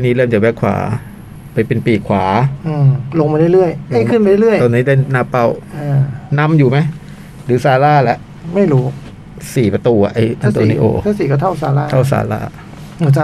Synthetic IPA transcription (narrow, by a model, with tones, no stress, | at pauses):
a˧˩niː˦˥lɤː˥˩mt͡ɕa˨˩wɛ˦˥kʰwa̰ː˩˦ | pa˧jpe˧npiː˨˩kʰwaː˩˦ʔɯː˧˩lo˧ŋmaː˧da˥˩jlɯ˥˩əja˥˩jkʰɯ˥˩npa˧ɾa˥˩lɯ˥˩əjt̪ɔ˧nːiː˦˥daː˥˩naː˦˥˩pa˧˥˩wʔaː˧˩na˦˥mjuː˨˩ma˦˥j | ɾɯː˨˩˦saː˧laː˥˩lɛ˦˥ʔ | ma˥˩jɾuː˦˥ | siː˨˩pɾa˧t̪uː˧a̰˨˩ʔa˧jʔa˧˥˧t̪ɔː˧˨niː˦ʔo̰ː˧˩t̪ʰaː˥˩siː˨˩kɔ˥˩t̪ʰa˥˩wsaː˧laː˥˩t̪ʰa˥˩wsa̰ː˧˦la̰ː˥˩˧ | t͡ɕa˧˩